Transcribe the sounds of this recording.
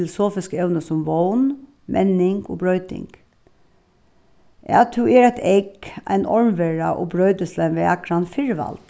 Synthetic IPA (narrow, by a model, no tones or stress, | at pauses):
ɪlʊsoːfɪskɛʊnəsʊmʋoʊn | mʔɛnɪŋɡo̰ːbɹœʏd̪ɪ̰ŋɡ̥ | ʔæ̰t̪ʰʉeɾæɪt̪ʰɛɪkæ̰ɪnʔɔɹmʋɛɹɑʔo̰ːbɾœʏd̪əslɛnʋeɑkɾɑnfɪɹʋɑ̰lt̪